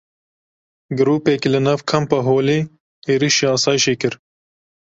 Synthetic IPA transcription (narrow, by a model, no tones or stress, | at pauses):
ɡɨɾuːpeːkilɨnɐvkʰɐmpɐɦoːleː | eːɾiʃeːɑːsɑːjɪʃeːkɨɾ